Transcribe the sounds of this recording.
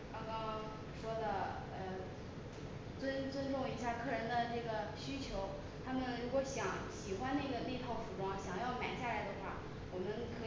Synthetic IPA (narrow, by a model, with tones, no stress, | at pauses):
kɑ˥ŋkɑ˥ŋ | ʂwɔ˥d̪ə˨ | ə˧ | t͡swə˥nt͡swə˥nʈ͡ʂʊ˥˩ŋi˧˥ɕja˥˧kʰɤ˥˩ɻə˧˥nd̪ə˧ʈ͡ʂɤ˥˩ɡə˩ɕy˥t͡ɕʰjo˧˥ʊ | t̪ʰa˥mə˨nɻu˧˥kwɔ˧˥ɕjɑ˧˥ŋɕi˨˩xwa˥nna˥˩ɡə˩ne˥˩ɪt̪ʰɑ˥˩ʊfu˨˩ʈ͡ʂwɑ˥ŋɕjɑ˨˩ŋjɑ˥˩ʊma˨˩ɪɕja˥˩la˧˥ɪd̪ə˧xwa˥˩ | wɔ˨˩mə˦˥nkʰɤ˧˥